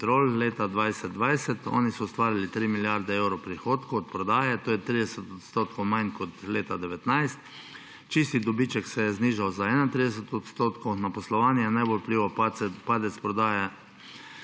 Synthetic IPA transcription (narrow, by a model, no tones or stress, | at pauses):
t̪ɾoːlleːt̪ad̪ʋajsɛd̪̚d̪ʋajsɛt̪ɔ̰ːnisɔːst̪ʋaːɾilit̪ɾiːmiljaɾd̪ɛɛwɾɔwpɾixoːt̪koɔt̪̚pɾɔd̪aːjɛt̪oːjɛt̪ɾid̪ɛsɛt̪ɔt̪st̪oːt̪kʰowmajnkɔt̪leːt̪ad̪ɛʋɛt̪najst̪ | t͡ʃist̪id̪ɔbit͡ʃɛksɛjɛzniːʒawzaɛːnat̪ɾid̪ɛs̬ɛt̪ɔt̪st̪oːt̪konapɔslɔʋaːnjɛnajbolpliːʋapaɛpaːd̪ɛt̪spɾɔd̪aːja